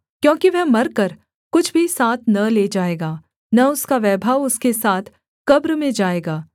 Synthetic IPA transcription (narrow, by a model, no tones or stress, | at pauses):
kjõːkiʋɛɦmɐɾkɐɾ | kʊt͡ʃʰbʱisaːt̪ʰnɐleːd͡ʒaːeːɡaː | nɐʊskaʋɛːbʱaːʋʊskesaːt̪ʰ | kɐbɾmẽd͡ʒaːeːɡaː